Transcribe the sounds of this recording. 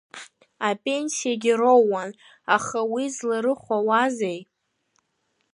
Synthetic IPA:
apʼe̞nsijaɡʲirowːan | aχawizlaɾɨχʷawazej

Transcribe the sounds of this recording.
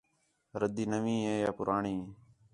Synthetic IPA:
ɾəd̪iːnəʋĩːɦeːjaːpʊɾaːɳiː

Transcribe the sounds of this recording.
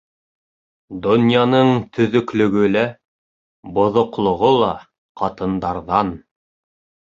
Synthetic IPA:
d̪ŏnʲjɑnɤɴt̪ʰɵ̆ðɵ̆klɵ̆ɡɵlæ | bŏðŏqlˠŏʁolˠɑ | qɑt̪ɤ̆nd̪ɑɾðɑn

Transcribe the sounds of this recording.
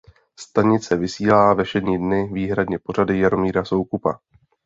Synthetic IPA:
st̪aɲɪt͡sɛvɪsiːlaːvɛʃɛdɲiːdnɪviːɦɾadɲɛpo̞ɾadɪjaɾo̞miːɾaso̞wkupa̰

